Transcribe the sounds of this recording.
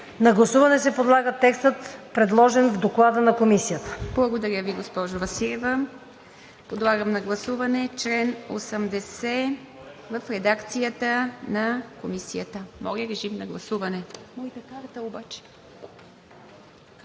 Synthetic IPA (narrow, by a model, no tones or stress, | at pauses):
nɐɡlˠɐsuvɐnɛsɛpod̪lˠaɡət̪ɛkst̪ət̪pɾɛd̪lˠɔʒɛnvd̪oklˠad̪ənɐkomisijət̪ə̥b̥lˠɐɡod̪ɐɾʲjəviɡospɔʒʊvɐsiɾɛvə | pod̪lˠaɡəmnɐɡlˠɐsuvɐnɛt͡ʃlɛnosəmd̪ɛsɛ | vɐfɾɛd̪akt̪sijət̪ənɐkomisijət̪əmɔɾiəɾɛʒimnɐɡlˠɐsuvɐnɛmɔit̪ɐkaɾt̪əobat͡ʃɛ̥